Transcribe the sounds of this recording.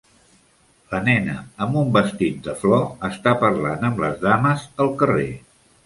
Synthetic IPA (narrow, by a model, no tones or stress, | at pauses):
lənɛnəəmbumbəst̪it̪̚d̪əflɔəst̪apəɾlanəmblə̰zðaməzəlˠkəre